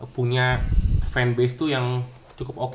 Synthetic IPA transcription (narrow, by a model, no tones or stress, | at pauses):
puɲafɾɛnbest̪ujaŋ | t͡ʃukʊpok